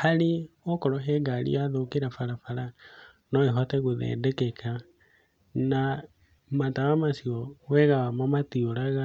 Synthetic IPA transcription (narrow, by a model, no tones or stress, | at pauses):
haliɔkɔɾɔɦɛɡalḭaðokeɾafaɾafaɾa | nɔeɦɔtɛɣoðɛ̰ːndɛkɛkʰa | na | matawamasiɔwɛɣawamamatioɾaɣa